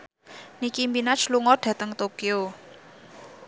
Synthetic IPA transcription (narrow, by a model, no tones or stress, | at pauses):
nikimpinat͡ʃluŋɔɖ̥ä̤t̪əŋt̪okeo